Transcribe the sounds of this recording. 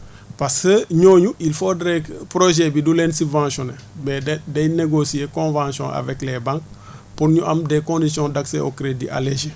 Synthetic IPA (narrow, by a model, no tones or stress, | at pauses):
paskəɲoːɲuʔilfodɾɛkpɾoʒebidulɛnsibvãsjonɛ | mɛdɛjneɡosijekõnvãsjɔ̰̃ʔa̰vɛklɛbãŋk̚ | puɾɲuʔɐmdekõndisjɔ̃dakseʔokɾedḭʔa̰leʒe